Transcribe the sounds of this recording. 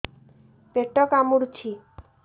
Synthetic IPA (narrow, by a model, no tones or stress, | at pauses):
peʈːɔkamuɾt͡ɕʰi